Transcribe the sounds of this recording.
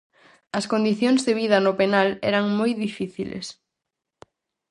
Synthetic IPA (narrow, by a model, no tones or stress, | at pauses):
ɐskond̪iθjoŋzðeβ̞iðɐnʊpenalɛ̰ɾɐŋmojðifiθilḛs